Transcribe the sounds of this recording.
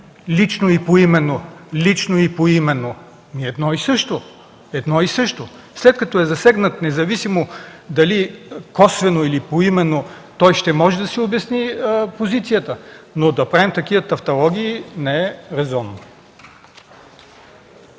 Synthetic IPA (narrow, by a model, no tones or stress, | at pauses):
lit͡ʃnoipoimɛnːolit͡ʃnoipoimɛnːo | miɛd̪nɔisɤʃt̪o | ɛd̪nɔisɤʃt̪o | slɛt̪̚kɐt̪ɔɛzɐsɛɡnət̪nɛzɐvisimod̪ɐlikɔsvɛnoilipoimɛnːo | t̪ɔjʃt̪ɛmɔʒɛd̪ɐsiobjɐsnipozit̪sijət̪ənod̪ɐpɾavimt̪ɐkivət̪ɐft̪ɐlˠɔɡʲiːnɛɛɾɛzɔnː